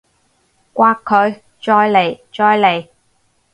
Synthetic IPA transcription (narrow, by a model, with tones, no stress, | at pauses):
kʷaː˧kʰːɵ˨˧ɥ | t͡ʃɔː˧jle˨˩jt͡ʃɔː˧jle˨˩j